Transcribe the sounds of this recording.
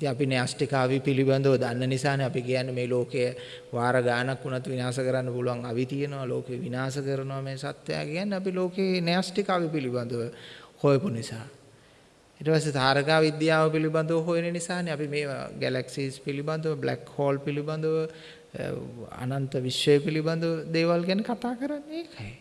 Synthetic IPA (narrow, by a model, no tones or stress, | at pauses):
it̪iŋapinejasʈikaːʋipiliband̪uʋəd̪anːənisaːneapikijanːemeːloːkejə | ʋaːɾəɡaːnakːunat̪ʋinaːsəkəɾanːəpuluʋaŋaʋit̪ijenoʋalo̰ːkeəʋinaːsəkəɾənoʋameːsat̪jeja̰ːkijanːeapiloːkeːnejasʈikaːʋipiliband̪uʋəhojəpunisaː | iʈəpasːet̪aːɾəkaːʋid̪jaːʋəpiliband̪uʋəɦojenenisaːneapimḛːɡɛlaksiːspiliband̪uʋəblɛ̰khoːlpiliband̪uʋə̰ | a̰nant̪əʋisːəjəpiliband̪uʋəd̪eːʋalkiænekat̪aːkəɾanːəeːkʰɐj